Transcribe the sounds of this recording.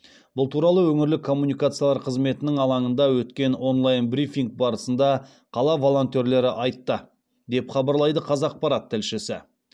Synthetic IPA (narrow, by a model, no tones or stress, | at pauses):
b̥ʊlˠt̪ʰuɾɑlˠəwɵŋɪɾlɪkʰːo̞mːunijkat̪sɨjalˠɑɾqʰəzme̞t̪ɪnɪŋɑlˠɑɴənd̪ɑwɵt̪kʲe̞nwo̞nlˠɑjnbɾifʲiŋɡ̚bɑɾəsənd̪ɑ | qʰɑlˠɑvo̞lˠo̞nt̪e̞ɾle̞ɾɪʔɑjt̪ːə | d̪e̞pχɑbəɾlˠɑjd̪əqʰɑzɑːq̚pɑɾɑt̪ʰːɪlʃɪsɪ